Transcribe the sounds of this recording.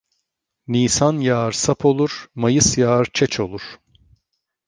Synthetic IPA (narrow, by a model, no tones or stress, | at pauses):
niːsanjaːɾsapʰo̞lˠuɾ̥majɯsjaːɾt͡ʃʰɛt͡ʃʰo̞lˠuɾ̥